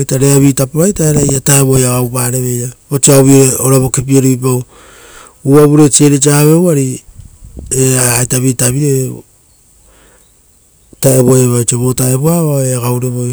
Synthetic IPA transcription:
jtaɾeaβitapoɾajtaeɾajataeβojaɡawpaɾeβe̞jɾabot͡ʃiaoβioɾeoɾaβokep̬ieɾuipaw | uaβuɾe̞t͡ʃieɾit͡ʃiaβe̞waɾi | eaataβitaβie | taeβoeβajt͡ʃeβotaeβuaβaeaɡawɾeβoj

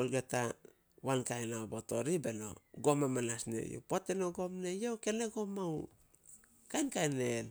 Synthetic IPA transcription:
olɡata | wankajnaoboto̞ɾibe̞no̞̰ɡo̞mamanasne̞̰jo̰potenoɡo̞mne̞jowke̞neɡo̞mau | kajnkajnel

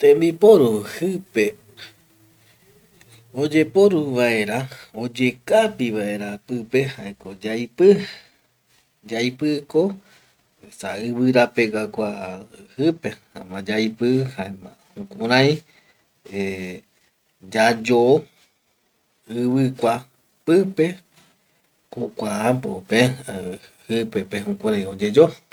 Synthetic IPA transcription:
t̪ẽmbipoɾuhɨpe | od͡ʒe̞poɾuβae̞ɾaod͡ʒe̞kapiβae̞ɾapɨpehaekod͡ʒajpɨ | d͡ʒajpɨko | saɨβɨɾape̞ɡakʷahɨpe | a̰mãd͡ʒajpɨhaemã | hũkʷũɾãj̃ | e | d͡ʒad͡ʒo | ɨβɨkʷa | pɨpe | kokʷaapopeahɨpepeɦũkʷuɾãj̃od͡ʒed͡ʒo

